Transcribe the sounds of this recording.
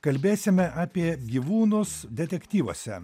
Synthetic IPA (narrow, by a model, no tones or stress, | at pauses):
kɐlʲbʲeːsʲɪmʲɛʔaːpʲiɛɡʲiːʋuːnʊsd̪ʲɛt̪ʲɛkʲt̪ʲiːʋo̰ːsʲɛ̰